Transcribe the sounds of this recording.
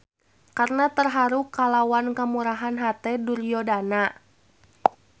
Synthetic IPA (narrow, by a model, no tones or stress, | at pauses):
karnat̪ərɦaɾukːalawankamuɾaɦanɦat̪ɛdurijɔdana